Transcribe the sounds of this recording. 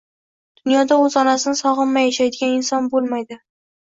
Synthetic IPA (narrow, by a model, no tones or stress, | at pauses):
d̪̥ʊnjɒd̪aɵzɒnasɪnɪsɒʁɨnmajaʃajd̪ɪɡʲanɪnsɒnbolˠmajd̪ɪ